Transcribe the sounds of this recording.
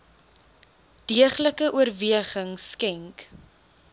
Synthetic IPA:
d̥iəχləkəʔuərviəχəŋskɛŋk

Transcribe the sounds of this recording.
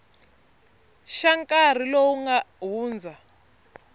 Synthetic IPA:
ʃaŋkʼar̤ilowuŋɡaɦuːnd͡zʱa

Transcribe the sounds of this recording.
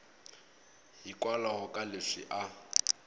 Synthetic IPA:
hikʼwalahʊkʼalɪʂḭʔa

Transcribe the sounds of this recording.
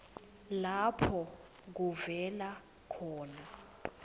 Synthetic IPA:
lapʰɔ | k̬uvɛla | kʰɔːna

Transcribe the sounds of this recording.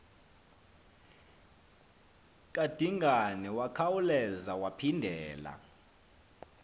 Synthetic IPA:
kʼad̥ʱiŋɡʱanɛwakʰawulɛzawapʰindʱɛːla̰

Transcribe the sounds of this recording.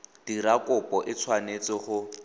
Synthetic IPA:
d̥iɾakʼʊpɔʔɪt͡sʰwanet͡sɪχʊ

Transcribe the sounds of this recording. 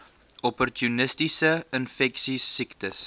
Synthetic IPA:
ɔpɔrtunəstisəənfɛksisiktəs

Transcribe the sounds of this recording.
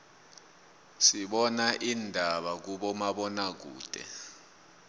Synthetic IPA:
siɓɔnaʔindʱaɓak̬uɓɔmaɓɔnak̬ṵːd̥ʱʼɛ̰

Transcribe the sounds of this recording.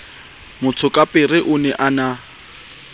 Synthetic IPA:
mʊt͡sʰʊkʼapʼɪrɪʔʊnɛʔana

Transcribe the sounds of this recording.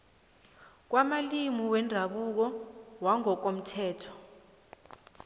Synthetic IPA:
k̬wamalimiwɛndʱaɓuk̬ɔwaŋɔk̬om̩tʰɛːtʰɔ̥

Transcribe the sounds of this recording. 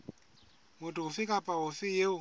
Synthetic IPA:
mʊtʰuɦufikʼapʼaɦufɪjeʊ

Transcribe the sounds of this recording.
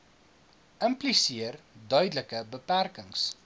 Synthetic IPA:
əmplisiərdœɥdələkəbəpærkəŋs

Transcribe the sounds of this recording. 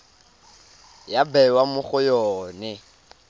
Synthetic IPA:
jabɛwamʊχʊjɔːnɛ

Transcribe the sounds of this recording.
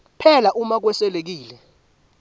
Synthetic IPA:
pʰɛlaʔumak̬wɛsɛlek̬iːlɛ

